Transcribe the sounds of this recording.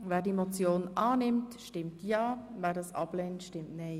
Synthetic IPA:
vɛːdimot͡sjoːnʔɑːnɪmtʃtɪmtjɑːvɛːdɑːsɑ̰b̥leːntʃtɪmtnɛɪ

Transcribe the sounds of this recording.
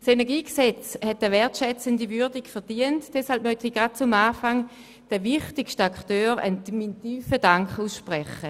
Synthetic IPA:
senɛɐɡiːksɛt͡shɛtəʋɛɐtʃɛt͡səndivyɐdiɡfɛɐdiəntd̥ɛshalp̚mœtiɡ̥at̚t͡sʊmaːfaŋ | d̥əvɪχtɪkʃtaktøːʁə̰nmintyːfəd̥aŋkχuːsʃpʁɛχə

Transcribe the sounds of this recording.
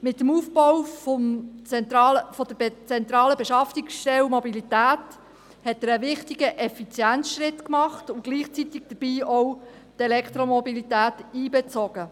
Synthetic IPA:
mɪt̪ːəmuːfbɔwfɔmt͡sɛnt̪ɾɑːləfod̥əbt͡sɛnt̪ɾɑːləbɛʃɑftiksʃtɛwmobilitæːt | hɛtːəɾəʋɪχtiɡəʔɛfit͡sjænsʃɾɪtkmɑχtʊɡ̥liːχt͡sit̪iɡ̚d̥əb̥iːɔw | tɛlɛkχt̪ɾomɔbilit̪æːtiːbɛt͡soɡ̥ə

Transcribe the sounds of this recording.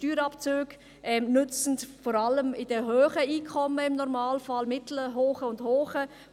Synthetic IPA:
tyːɾɑpt͡søːɡ̥ | ʔɛmnʏt͡sn̩tfɔɾaləmɪd̥əɦøːχəiːkʰɔməɪmnɔɾmaːlfalmɪtl̩əɦoːχəʊndhoːχə

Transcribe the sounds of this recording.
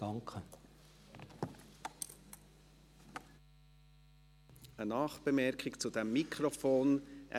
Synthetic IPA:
ɑŋkʰə | ənɑːχb̥əmɛɾkʰɪkt͡sud̥ɛmːikʰɾofoːnʔɛ̰

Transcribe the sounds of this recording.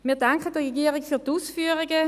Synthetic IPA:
miːɐdaŋkədiːɐʁɛɡiːʁɪfyːɐduːsfyːʁɪɡə

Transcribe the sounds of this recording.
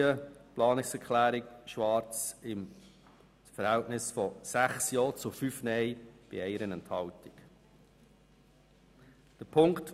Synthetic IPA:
əplɑːnɪksɛɾkʰlæːɾɪkʃʋɑːɾt͡sɪm | fəɾhɛltnɪsfɔsæχsjɔːt͡sʊfyfnɛɪb̥ɪ̰ɛɪɾənɛnthɑltɪk | d̥əpʰʊŋkt

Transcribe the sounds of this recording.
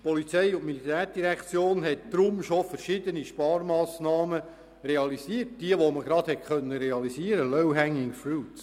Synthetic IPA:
pɔlit͡sɛjʊtmilit̪æːɾd̥iɾɛkt͡sjoːnɦɛt̚d̪̥ɾʊmʃofəɾʃɪd̪əniʃpɑːɾmɑːsnɑːmə | reɑlisiːət̚d̥iəʋoməɡ̥ɾɑd̥̪hɛtkœnːəɾeɑlisiəɾəlœwɦæŋːɪŋfɹuːt

